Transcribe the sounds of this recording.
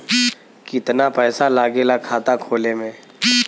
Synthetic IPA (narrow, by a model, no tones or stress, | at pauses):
kɪt̪napɛːsalaːɡelakʰaːt̪akʰoːlemẽː